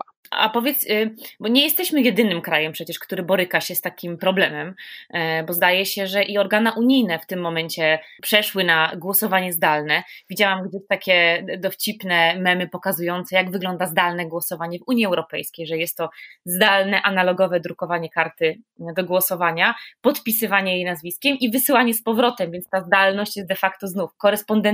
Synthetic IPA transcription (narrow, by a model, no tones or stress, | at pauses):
a̰pɔvʲjɛt̪sbɔɲɛjɛst̪ɛɕmɘjɛd̪ɘnɘmkɾajɛmpʂɛt͡ɕɛʂkt̪uɾɘbɔɾɘkaɕɛst̪akʲimpɾɔblɛmɛm | bɔzd̪ajɛɕɛʐɛʔiɔɾɡanaʔuɲijnɛft̪ɘmːɔmɛɲt͡ɕɛpʂɛʂwɘnaɡwɔsɔvaɲɛzd̪alnɛvʲid͡ʑawamɡd͡ʑeɕt̪akʲɛd̪ɔft͡ɕipnɛmɛmɘpɔkazujɔnt̪sɛjaɡvɘɡlɔnd̪azd̪alnɛɡwɔsɔvaɲɛvuɲjiɛwɾɔpɛjskʲejʐɛjɛst̪ːɔzd̪alnɛʔanalɔɡɔvɛd̪ɾukɔvaɲɛkaɾt̪ɘd̪ɔɡwɔsɔvaɲapɔt̪pʲisɘvaɲɛjejnazvʲiskʲɛmivɘsɘwaɲɛspɔvɾɔt̪ɛmvʲjɛntst̪azd̪alnɔɕt͡ɕjɛst̪d̪ɛfakt̪ɔznufkɔɾɛspɔnd̪ɛ